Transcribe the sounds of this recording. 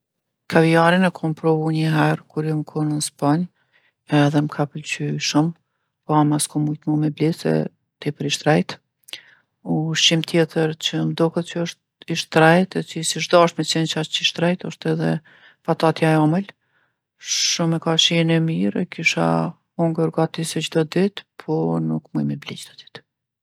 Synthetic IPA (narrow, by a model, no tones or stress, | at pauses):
kʰaviaɾinɛkʰɔmpɾɔvuɲəɦɛɾkuɾjɔmkʰɔnəspaɲ | ɛðɛmkʰapəlt͡ɕyʃum | pɔamaskɔmujt̪mɔmɛblisɛ̰ | t̪ɛpəɾiʃt̪ɾɛjt̪ | uʃimt̪ʰjɛt̪ʰəɾt͡ɕəmd̪ɔkət̪̚t͡ʃəɔʃt̪ | iʃt̪ɾɛjt̪ɛt͡sisiʒd̪ɔʃt̪mɛt͡ʃɛnt͡ʃat͡ʃiʃt̪ɾɛjt̪ɔʃt̪ɛðɛ | fat̪at̪jaɛɔməl | ʃumɛkaʃinɛmiɾɛ̰kiʃa̰ | ɔŋɡəɾɡat̪isɛd͡ʑd̪ɔd̪it̪pʰɔnukmujmɛblid͡ʑd̪ɔd̪̥i̥t̪